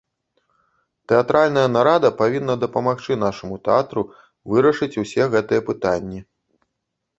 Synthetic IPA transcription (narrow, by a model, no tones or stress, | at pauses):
t̪ɛat̪ɾalʲnɐjɐnaɾad̪ɐpavʲinːɐd̪ɐpɐmaxt͡ʂɨn̪aʂɐmut̪ɛat̪ɾu | vɨɾɐʂɨt͡sʲusʲɛɣɛt̪ɨjɐpɨt̪anʲːi